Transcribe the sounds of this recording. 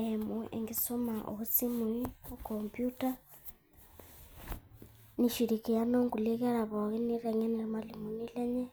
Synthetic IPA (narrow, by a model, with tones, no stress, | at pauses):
emu˨ʔḛ˨ŋɡiso˦maʔo̰˨ɣut͡si˦mu˨io˦kompjuta˦ | ni˨ʃi˨ɾi˨ki˨ja˦no˦ŋɡu˨li˦ɣɛ˦ɺa˨βo˨ɣi˦ni˦ɾe˨ŋɛ˦ni˨lmali˨mu˨nile˦ɲɛ˦